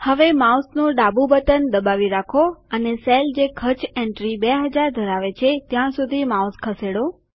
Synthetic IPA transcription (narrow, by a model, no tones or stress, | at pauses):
həʋemawsnũɖabũbət̪ənd̪əbaʋiɾakʰoəneseld͡ʒekʰət͡ʃʰẽɳʈɾibeɦəd͡ʒaɾd̪ʱəɾaʋet͡ʃʰet̪jãsud̪ʱimauskʰəseɽo